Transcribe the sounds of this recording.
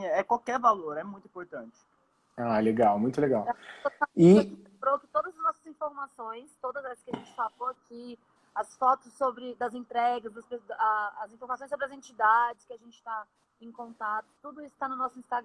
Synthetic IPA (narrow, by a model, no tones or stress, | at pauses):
ɛkwawkɛɾvaloɾɛmũj̃t̪ʊĩpoɾt̪ɐ̃nt͡ʃɪ̥ | aleɡawmũj̃t̪ʊleɡawɛoɪĩẽbɾokɪt̪od̪ɐzɐznɔsɐzĩfoɾmasõj̃st̪od̪ɐzɛsɐskɪɐʒẽnt͡ʃɪ̥savoaki | ɐsfɔt̪ʊsːobɾɪd̪ɐzẽnt̪ɾɛɡɐzd̪ɐspesɐzĩfoɾmasõj̃sobɾɪɐzẽt͡ʃid̪ad͡ʒɪskɪaʒẽnt͡ʃɪ̥t̪a | ẽkõnt̪at̪ʊ̥t̪ud̪ʊisʊ̥t̪anʊnɔsʊĩst̪aɡɾ